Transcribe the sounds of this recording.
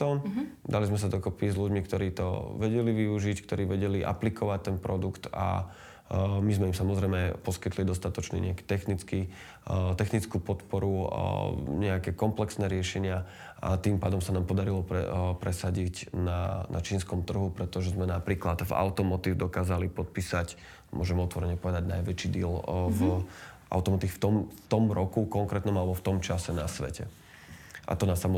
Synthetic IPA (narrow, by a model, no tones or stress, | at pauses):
ɔnd̪alizmɛs̬ad̪ɔkɔpizluɟmikt̪ɔɾiːt̪ɔ̰ʋɛɟɛliʋiuʒickt̪ɔɾiːʋɛɟɛliʔa̰plikʰɔʋac̚t̪ɛnpɾɔd̪ukt̪a̰ | mizmɛimsamɔzɾɛjmɛpɔskit̪lid̪ɔst̪at̪ɔt͡ʃnḭɲɛaki̥t̪ɛxnit͡ski | t̪ɛxnit͡skuːpɔt̪pɔɾu | ɲɛakɛːkɔmplɛksnɛːɾɪɛʃɛɲɪa | ʔa̰t̪iːmpaːd̪ɔmsanaːmpɔd̪aɾilɔpɾɛ̰pɾɛsaɟicnanʔa̰t͡ʃiːnskɔmt̪r̩ɦupɾɛt̪ɔʒɛzmɛnapɾiːklad̪va̰ʊt̪ɔmɔt̪iːvd̪ɔkaːzalipɔt̪̚piːsac | mʊɔʒɛmɔt̪ʋɔɾɛɲɛpɔʋɛd̪aɟna̰jʋɛt͡ʃiːd̪iɛlvʔa̰ʊt̪ɔmɔt̪ixft̪ɔmt̪ɔmɾɔkukɔŋkɾɛt̪nɔmalɛbɔft̪ɔmt͡ʃasɛnasʋɛ̰cʰɛ̰ | ʔa̰t̪ɔnasamɔ